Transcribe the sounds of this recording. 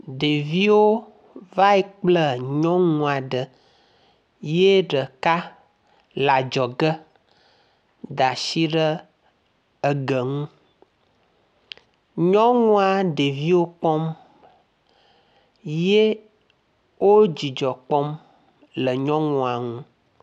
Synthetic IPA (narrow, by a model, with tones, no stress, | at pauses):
ɖe˨vi˦wo˦ | va˦e˦k͡plə˦ɲɔ̃˦ŋũ˦˨a˨ɖə˨ | je˦ɖə˨ka˦ | la˨d͡ʒɔ˨ɡə˦ | d̪a˨ʃi˦ɖə˦ | ə˨ɡə˨ŋũ˦ | ɲɔ̃˦ŋũ˦a˨ɖe˨vi˦wo˦k͡pɔ˦m | je˦ | wo˦d͡ʑi˨d͡ʒɔ˨k͡pɔ˦m | lə˨ɲɔ̃˦ŋũ˨a˨ŋũ˦